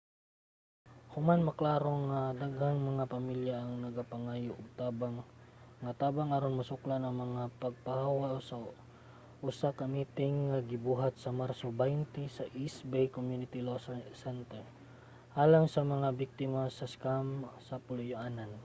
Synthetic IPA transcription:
hʊmanmɐklaːɾo̞ŋad̪aɡhaŋmɐŋapɐmiljaʔːŋnɐɡapɐŋajʊʔʊɡ̚t̪aːbaŋːat̪aːbaŋaɾonmɐsʊklanɐŋmɐŋapɐɡ̚pahaːwaʔosa | ʔʊsakɐmiːt̪ɪŋːaɡɪbuːɦat̪̚sɐmaɾsobajnt̪ɪsɐʔisbɛjkomjunɪt̪ɪlossɛnt̪ɛ | ʔaːlaŋsɐmɐŋabɪk̚t̪ɪmasɐskamsɐpʊlʊjʊʔaːnan

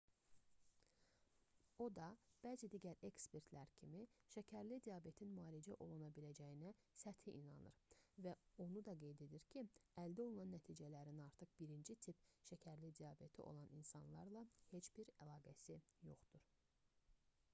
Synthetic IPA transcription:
o̞d̪ɑb̥æːzid̪iɟæɾe̞kspe̞ɾt̪ʰlæɾcʰimiʃæcʰæɾlid̪ijɑbe̞t̪ʰinmɑːlid͡ʒæʔo̞lˠunɑbilæd͡ʒæjinæ | sæt̪ʰiʔinɑ̰nɯ̰ɾvæo̞nud̪ɑɡe̞jd̪e̞d̪iɾcʰiæld̪æo̞lˠunɑnːæt̪ʰiːd͡ʒælæɾinɑɾt̪ʰɯχb̥iɾind͡ʒit̪ʰipʃæcʰæɾlid̪ijɑbe̞t̪ʰḭʔo̞̰lˠɑninsɑnlˠɑɾlˠɑhe̞t͡ʃb̥iɾælˠɑːɡæsijo̞̰χd̪uɾ̥

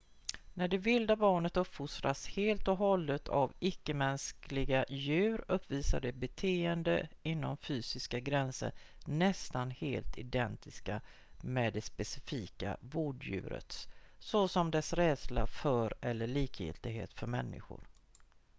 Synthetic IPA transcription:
næɖɛvɪld̪abɑːɳət̪ɵpfʊst̪ɾasheːlt̪ɔɦɔlːət̪ʰa̰vɪkːəmɛnsklɪɡajʉ̟ːɾɵpːviːsaɖɛbɛt̪ʰeːənd̪əɪnːɔmfyːsɪskaɡɾɛnsə̰ɾ | nɛst̪anheːlt̪ʰɪd̪ɛnt̪ɪska | mɛːd̪ɛspɛsɪ̥fiːka̰voːɖjʉ̟̰ːɾə̰t̪sɔsɔmd̪ɛsɾɛːd̪slafœːɾɛlːəɭiːkjɪ̰lt̪ɪɡɦḛːt̪fœɾmɛnːɪ̰ɧʊ̰ɾ

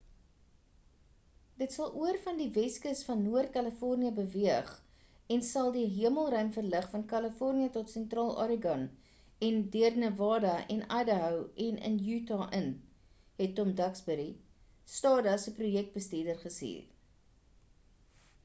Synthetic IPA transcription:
d̥ətsɐlˠʔuərfɐndivɛskəsfɐnːuərt̚kaləfɔrniəbəviəχ | ɛnsɐlˠdiɦiəməlˠrœɥmfərləχfɐnkɐləfɔrniətɔtsɛntrɑːlˠʔɑ̰ɾəɡɐn | ɛndiərnəvɑːdɐʔɛnɐdəɦəwɛnʔə̰njytɑʔən | ɦɛtːɔmdɐksbəɾi | stɑːdɐsəprujɛk̚t̚bəsteədərχəsḭːr

